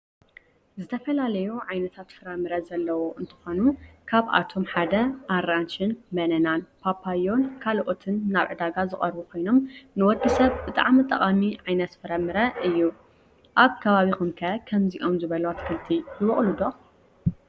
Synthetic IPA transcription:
zɨt̪ʰɐfɐlalɐjuʕajnɐt̪ʰat̪fɨɾɐmɨɾɐzɐlːɐwo̞ʔɨnt̪ʰɨ̥xo̞nukʰaβʔa̰t̪ʰo̞mħad̪ɐʔaɾant͡ʃɪnmɐnɐnanpʰapʰajo̞nkʰalʔo̞t̪ʰɨnːaβʕɨd̪aɡazɨχʼɐɾbukʰo̞jno̞mnɨwɔɡ̪ɨsɐβbɨt̪ʼa̰ʕmit̪ʼɐχʼamiʕajnɐt̪fɨɾɐmɨɾɐʔɨjːu | ʔaβkʰɐβaβixumkʰɐkʰɐmziʔo̞mzɨβɐlowat̪kʰɨlt̪ʰijɨβɔχʼlud̪o

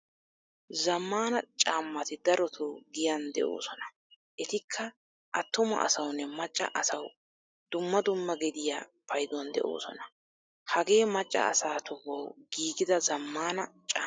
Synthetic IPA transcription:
zɐmːaːnɐt͡ʃʼaːmːɐt̪ɪd̪ɐɾɔt̪ʰoɡɪjɐnd̪ɛ̰ʔo̰ːsɔnɐ | ʔɛt̪ɪkʰːɐ | ʔɐt̪ːʊmɐ̰ʔɐ̰sɐwnːɛmɐt͡ʃʼːɐ̰ʔɐsɐw | d̪̥ʊmːɐd̪ʊmːɐɡɛd̪ɪja̰ːpʰɐjd̪ɔnd̪ɛ̰ʔo̰ːsɔnɐ | hɐɡe̞ːmɐt͡ʃʼːɐ̰ʔɐ̰saːt̪ʊβɔwɡ̥iːɡɪd̪ɐzɐmːaːnɐt͡ʃʼaː

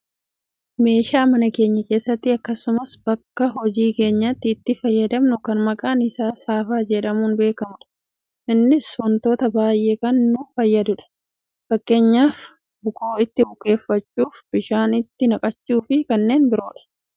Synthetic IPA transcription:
me̞ːʃaːmɐnɐke̞ːɲːɐke̞ːsːɐt̪ːɪɐkːɐsʊmɐsbɐkːɐɦɔd͡ʒiːke̞ːɲːɐt̪ːɪːt̪ːɪfɐjːɐd̪ɐmnʊkɐnmɐkʼaːnɪsaːsaːfaːd͡ʒɛᶑɐmuːnbe̞ːkɐmʊᶑɐ̥ | ʔɪnːɪsɔnt̪o̞ːt̪ɐbaːjʔeːkɐnːʊfɐjːɐd̪ʊᶑɐ̥ | fɐkːe̞ːɲːaːf | bʊko̞ːɪt̪ːɪbʊkʼe̞ːfːɐt͡ʃːuːfbɪʃaːnɪt̪ːɪnɐkʼɐt͡ʃːuːfɪkɐnːe̞ːnbɪɾo̞ːᶑɐ̥

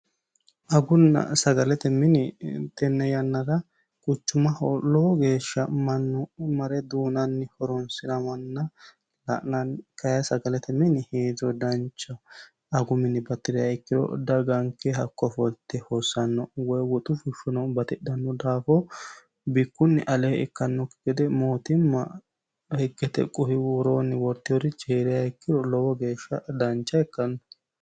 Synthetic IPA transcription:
ʔɐɡʊnːɐ̰sɐɡɐlɛt̪ɛmɪnɪt̪ɛnːɛjɐnːɐɾɐ | kʼʊt͡ʃːʊmɐhɔlɔɔɡe̞ːʃːɐmɐnːɔmɐɾɛd̪uːnɐnːɪhɔɾɔnsɪd̪ɐmɐnːɐ | lɐʔnɐnkɐjɐsɐɡɐlɛt̪ɛmɪnɪheːzɔd̪ɐnt͡ʃːɐː | ɡʊmɪnːɪbɐt̪ːɪd̪ɪjaɪkːɪd̪ɔ̰d̪ɐɡɐŋkːɛɦɐkːɔfɔlt̪ːɛhosːɐnːɔwɔjwɔt̪ʼʊfʊʃɔnɔbɐt̪ɪɗɐnːɔd̪aːfɔ | bɪkːʊnːɪʔɐlɛɛkːɐnːɔkːɪɡ̥ɛd̪ɛmo̞ːt̪ɪmːɐ | hɛɡːɛt̪ɛ̰kʼːʊhɪwʊɾoːnːɪwɔɾt̪ːɪjɔɾɪt͡ʃeːɾɪjaɪkːɪd̪ɔlɔwɔɡe̞ːʃːɐ̰d̪ɐnt͡ʃːɐɛkːɐnːɔ

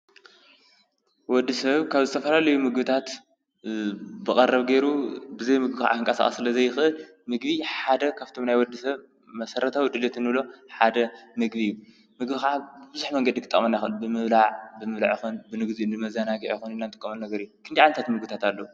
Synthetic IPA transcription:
wɔd̪ːisɐβkʰaβzɨt̪ʰɐfɐlalɐjumɨɡbɨt̪ʰat̪ | bɨkʼɐɾɐβɡejɾubɨzɐjmɨɡbixʕa̰ɨŋkʼɐsa̰χʼɐ̰sɨlɐzɐjːɪxʔɨl | mɨɡβiħad̪ɐkʰaβt̪ʰo̞mnajwɔd̪ːisɐβ | mɐsɐɾɐt̪ʰawid̪ɨlet̪ʰɨnːɨβlo̞ħad̪ɐmɨɡbiɨjːu | mɨɡbixaʕabɨbɨzuħmɐŋɡɐd̪ikʰɨt̪ʼːɐ̰mɐnːajxɨʔɨlbɨmɨβlaʕbɨmɨβlaʕjixunbɨnɨɡziɨnd̪ɨmɐzanaɡiʕjixunɨnːant̪ʼɨkʼːɐmɐnnɐɡɐɾijukʰɨnd̪iʕalɐt̪ʰat̪mɨɡbɨt̪ʰat̪alːɐu

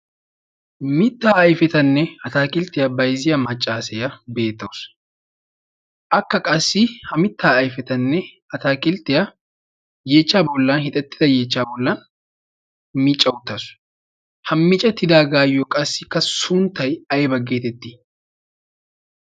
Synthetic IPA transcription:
mɪt̪ːaːɐjfɛt̪ɐnːɛɐt̪aːkʼɪlt̪ːɪjabɐjzɪjɐmɐt͡ʃʼːaːsɛjɐbe̞ːt̪ːɐws | ʔɐkːɐkʼɐsːɪhɐmɪt̪ːaːjfɛt̪ɐnːɛ | ɐt̪aːkʼɪlt̪ːɪjɐ | je̞ːt͡ʃːaːbɔlːɐnhɪt̪ʼɛt̪ːɪ̥d̪ɐje̞ːt͡ʃːaːbɔlːɐn | mɪt͡ʃʼːɐwʊt̪ːɐs | hɐmːɪt͡ʃʼɐt̪ːɪd̪aːɡaːjɔkʼɐsːɪkːɐsʊnt̪ːɐjɐjbɐɡːe̞ːt̪ɛt̪ːɪ̥

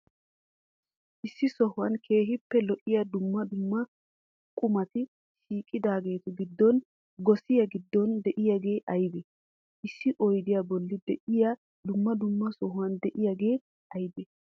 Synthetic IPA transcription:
ʔɪsːɪsɔhʊwɐnkʰe̞ːɦɪpːɛlɔʔɪjad̪ʊmːɐd̪ʊmːɐ | kʼʊmɐt̪ɪ | ʃiːkʼːɪd̪aːɡe̞ːt̪ʊɡɪd̪ːɔn | ɡɔsɪjɐɡɪd̪ːɔnd̪ɛʔɪjaɡe̞ːʔɐjbɛ | ʔɪsːɪʔɔjd̪ɪjabɔlːɪd̪ɛʔɪja | d̪ʊmːɐd̪ʊmːɐsɔɦʊwɐnd̪ɛʔɪjaɡe̞ː | ɐjbɛ

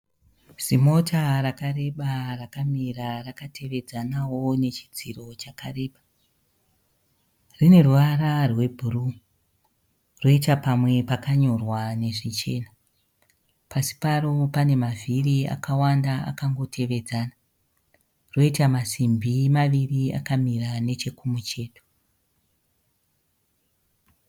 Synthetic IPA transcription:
z̥imo̞tarakare̞ɓarakamirarakatʰe̞ʋe̞d͡zanawo̞ne̞t͡ʃi̥d͡ziro̞t͡ʃakare̞ːɓa | rine̞ruʋaɾarwe̞bʱuru | ro̞itapamwe̞pakaɲo̞rwane̞ʐit͡ʃe̞̰ːna | pasi̥paro̞pane̞mavʱiria̰kʰawandaa̰kaŋɡo̞tʰeʋe̞d͡zaːna | ro̞itamasimbʱimaʋiria̰kamirane̞t͡ʃe̞kumut͡ʃe̞ːto̥

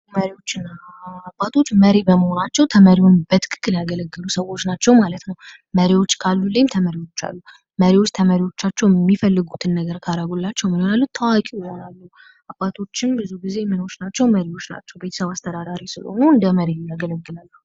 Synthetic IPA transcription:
məɾiwo̞t͡ʃːɪnːaː | bat̪ʰo̞t͡ʃːməɾebəməho̞nat͡ʃːɛwt̪ʰəməɾiwunbət̪ʰɨ̥kʰɨ̥kʼːɨljaɡələɡːɨlusəwo̞t͡ʃːnat͡ʃːɛwmalət̪nəw | məɾiwo̞t͡ʃːkʰalːulːəjmt̪ʰəməɾiwo̞t͡ʃːa̰lːu | məɾiwo̞t͡ʃːt̪ʰəməɾiwo̞t͡ʃːat͡ʃːɛwjmːifəlːɨɡut̪ʰɨnːəɡəɾkʰaɾaɡolːat͡ʃːɛwmɨnojalːut̪ʰəwakʼiwjɪho̞nalːu | ʔabːat̪ʰo̞t͡ʃːɪnbɨzuɡize̞mɨno̞t͡ʃnat͡ʃːɛwməɾiwot͡ʃːna̰t͡ʃːɛwbe̞t̪ʰə̥səβast̪ʰəd̪ad̪aɾisɨlo̰nuɨnd̪əməɾejaɡələɡːɨlalːəhu

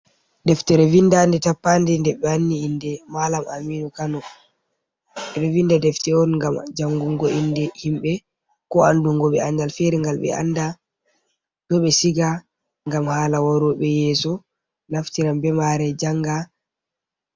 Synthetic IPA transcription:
dɛftɛɾɛvindandɛtapːandɛndɛɓɛanːiindɛmalamamiːnukanɔ | ɗɛɓɛvindadɛftɛɔnŋɡamd͡ʒaŋɡuŋɡɔindɛhimɓɛ | kɔanduŋɡɔɓɛandalfeɾiŋɡalɓɛ̰a̰nda | dɔɓɛsiɡa | ŋɡamhaːlawaɾuɓɛjɛːsɔ | naftiɾambɛmaɾɛd͡ʒaŋɡa

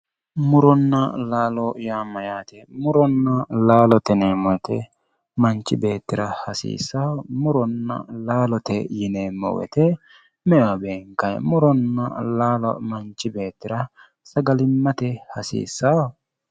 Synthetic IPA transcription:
mʊɾɔnːɐlaːlɔjaːmɐjaːt̪ɛmʊɾɔnːɐlaːlɔt̪ɛneːmɔt̪ɛ | mɐnt͡ʃːɪbe̞ːt̪ːɪɾɐhɐsḭːsːaːmʊɾɔnːɐ̰laːlɔt̪ɛjɪneːmːɔ̰wɛ̰t̪ɛ | mɛʔabeːŋkɐjmʊɾɔnːɐ̰laːlɔ̰mɐnt͡ʃːɪbe̞ːt̪ːɪɾɐ | sɐɡɐlɪmːɐt̪ɛhɐsḭːsːaːwɔ

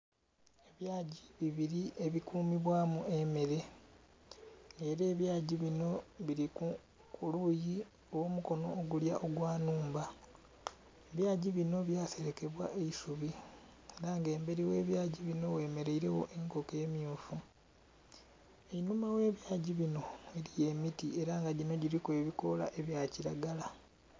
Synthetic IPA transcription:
eβjaːɟiβiβiɾiʔe̞βikuːmiβwaːmue̞meɾe̞ | ŋɡe̞ːɾe̞ːβjaːɟiβino̞βiɾiku | kʰuluji | owomuko̞no̞̰ːɡuljaʔo̞ɡwaːnuːmba | eβjaːɟiβino̞βjaːse̞ɾeke̞βwaʔeisuβi | eɾaŋɡe̞ːmbe̞ɾiwe̞ːβjaːɟiβino̞we̞ːme̞ɾe̞iɾe̞wo̞̰ʔe̞ŋko̞keːmjuːfu | einumawe̞ːβjaːɟiβino̞eɾije̞mitie̞ɾaːŋɡaɟino̞ɟiɾikueβiko̞la̰ʔe̞βjaːciɾaɡala

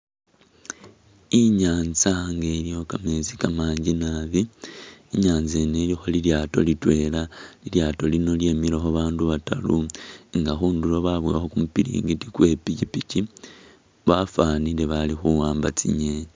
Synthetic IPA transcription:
iɲaːnzaŋɡelijo̞kamezikamaːɲɟinaβiː | ɲaːnzenelixoliljaːto̞̰litwe̞ːlaliljaːto̞lino̞lje̞ːmilexoβaːnduβata̰luŋɡaxuːndulo̞βaβwiaxo̞kumupiɾḭːŋɡitikwe̞picipici | βafanile̞βalixuwaːmbat͡sḭɲe

